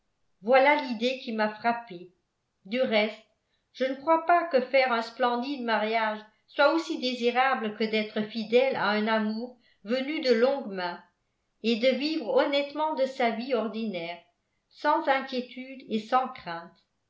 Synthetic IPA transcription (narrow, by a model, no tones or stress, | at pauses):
vwalalid̪ekʲimafχape | d̪yʁɛst̪ | ʒ̥ənəkχwapakəfɛʁɛ̃splɑ̃d̪id̪maʁjaʒ | swaosid̪eziʁabləkəd̪ɛt̪χəfid̪ɛla̰ɛ̃namuːʁ | vənyd̪əlɔ̃ɡmɛ̃ | ed̪əvivʁɔnɛt̪mɑ̃d̪əsaviɔʁd̪inɛːʁ | sɑ̃zɛ̃kʲjet̪yd̪esɑ̃kχɛ̃ːt̪